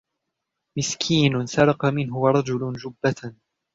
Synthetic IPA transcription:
mɪskʰiːnʊsɑɾˤɑqɑmɪnɦʊwaɾˤɑd͡ʒʊlʊd͡ʒʊbːat

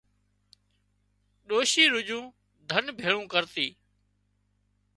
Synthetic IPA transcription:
ɗoːʃiːɾʊd͡ʒũː | d̪ʱənbʱeːɭũːkəɾt̪iː

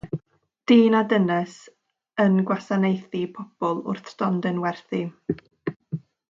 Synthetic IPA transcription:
d̥iːnadənɛs | ənɡwasanejθipʰɔb̥ɔlˠʊ̰rθd̥ɔndɛnwɛrθi

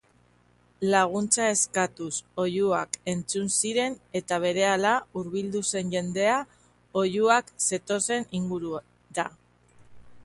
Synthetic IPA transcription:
laɣ̞unt͡sae̞skat̪uso̞juake̞nt͡sunsiɾe̞ne̞t̪aβ̞e̞ɾe̞alauɾβild̪use̞nʝe̞nd̪e̞a | o̞juakse̞t̪o̞se̞niŋɡuɾu | ða

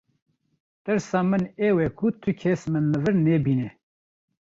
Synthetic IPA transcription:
t̪ɨɾsɑːmɨneːwɛkʰut̪ʰɨkʰesmɨnːɨvɨɾnɛːbiːnɛ

